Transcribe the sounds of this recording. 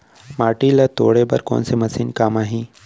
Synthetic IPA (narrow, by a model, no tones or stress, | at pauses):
maːʈilɐt̪o̰ːɽebɐ̰ɾko̰ːnsemɐsiːnkaːmaːɦĩː